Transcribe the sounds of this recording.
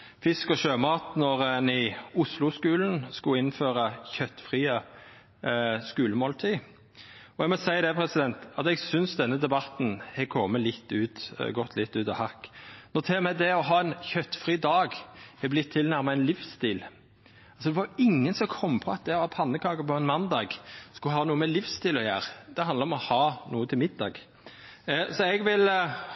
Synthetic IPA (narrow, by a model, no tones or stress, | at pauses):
fɪskɔʃøːmɑːt̪nɔɾɛnɪʊslʊskʉːln̩skʊɪnːføːɾəçœt̪ːfʁiːə | skʉːləmoːlt̪ʰiː | ɔɛɡmɔsæɪd̪ɛpʰɾɛsɪd̪ɛnt̪ɑt̪ɛɡsʏnsd̪ɛnːəd̪ɛbɑt̪n̩hɛkʰɔmːəlɪt̪ːʉːt̪ɡɔt̪ʰːlɪt̪ːʉːt̪ɑhɑkːnʊt̪ʰeːɾmɛd̪ɛɔɦɑːɛnçœt̪ːfɾiːd̪ɑːɡɛblɪt̪ʰːɪlnæɾməɾɛnlɪfst̪iːl | lsɔd̪ɛʋɑɾɪŋːənsɔmkʰɔmːpʰɔɑt̪̚d̪ɛʋɑːpʰɑnːəkʰlɑːɡəpɔɛnmɑnd̪ɑːɡskʉləhɑːnuːəmɛlɪfst̪iːlɔjæ̰ːɾd̪̥ɛɑnd̪əɾɔmɔhɑːnuːət̪ʰɪlmɪd̪ːɑ̰ːɡ | sɔɛɡʋɪl